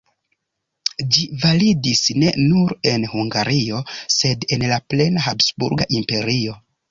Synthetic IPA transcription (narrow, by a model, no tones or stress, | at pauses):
d͡ʒivalidisne̞nuɾe̞nhuŋɡaɾio̞se̞de̞nlaple̞naɦapsbṵɾɡa̰ʔimpe̞ɾio̞